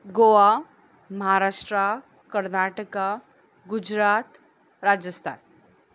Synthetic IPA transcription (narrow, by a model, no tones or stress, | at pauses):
ɡoa | məɦaɾaːʂʈɾa | kəɾnaːʈəka | ɡʊd͡ʒɾaːt̪ | ɾaːd͡ʒəst̪ʰa̰ːn